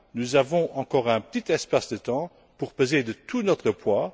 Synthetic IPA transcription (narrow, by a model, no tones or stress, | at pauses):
nuzavɔ̃ʔɑ̃kɔːʁɛ̃pə̥t̪it̪ɛspasd̪ət̪ɑ̃ | puʁpøzed̪ət̪ʰunɔt̪χəpʰwa